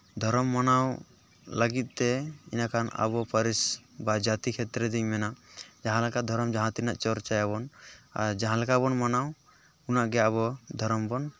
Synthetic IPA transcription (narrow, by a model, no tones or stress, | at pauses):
d̪ʱɔɾɔmːanaw | laɡit̪̚ˀt̪ɛḭnakʰana̰βɔpəɾisbad͡ʒat̪ikʰɛt̪ɾɛd̪iŋmɛnaʔd͡ʒaɦãlakad̪ʱɔɾɔmd͡ʒaɦãt̪iɾnaʔt͡ʃɔɾt͡ʃajaβɔna̰ɾd͡ʒaɦãlɛkabɔnmanaw | kunaʔɡɛjaβɔd̪ʱɔɾɔmbɔn